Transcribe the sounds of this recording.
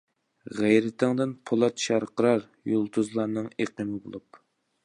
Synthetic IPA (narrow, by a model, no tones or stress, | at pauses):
ʁɛjɾɪt̪ʰɪŋd̪ɨnpʰolˠɑt̪ʃɑɾqʰəɾɑɾ | jolˠt̪ʰuzlˠɑɾnɨŋeqəmɪbo̰lˠup